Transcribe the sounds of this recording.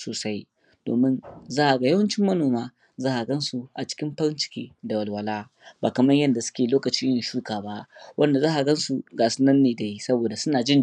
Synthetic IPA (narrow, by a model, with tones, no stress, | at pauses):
soː˨sa˦j | d̥o̰ː˨mɪ˦nzaː˦ʔa˨ɡa˨jɐ˦wɐ˦nt͡ʃɪ˦mːɐ˦noː˨maː˦ | zaː˦ʔa˨ɡɐ˦nsu˨ʔa˨t͡ʃɪ̥˦kʲɪ˦mɸɐ˦ɾɪ˦nt͡ʃɪ̥˨kʲḛː˦da˨wɐ˨lwɐ˨laː˦ | baː˨kɐ˨mɐ˦ɲjɐ˦nda˨sʊ̥˦kʲeː˨loː˦kɐ˨t͡ʃi˦jɪ˨ʃu˦kaː˨ba˦ʔwʔɐ˦nda˨zaː˦ʔa˨ɡɐ˦nsu˨ɡaː˨sʊ˦nɐ˦nːeː˨da˨ji˦sɐ˦boː˨da˨sʊ˦naː˨d͡ʒɪ˦n